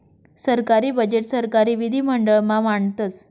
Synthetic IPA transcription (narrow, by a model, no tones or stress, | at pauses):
səɾkaɾiːbəd͡ʑeʈsəɾkaɾiːʋid̪ʱiːm̤əɳɖəɭmaʋaɳt̪ət͡s